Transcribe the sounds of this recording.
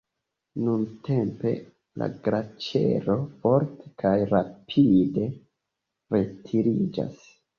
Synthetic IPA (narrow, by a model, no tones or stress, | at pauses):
nunte̞mpe̞̰ | la̰ɡɾat͡ʃe̞̰ɾo̞fo̞ɾtʰe̥kʰajɾapʰide̞ | ɾe̞tʰiɾid͡ʒa̰s